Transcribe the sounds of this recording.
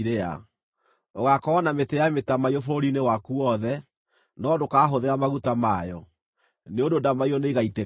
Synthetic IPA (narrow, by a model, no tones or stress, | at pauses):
ɾea̰ | oɣakɔɔnametɛjametamaiɔfoɾinewakuɔðɛ | nɔdokaːɦoðeɾamaɣutamajɔ | neondodamaiɔneɣaite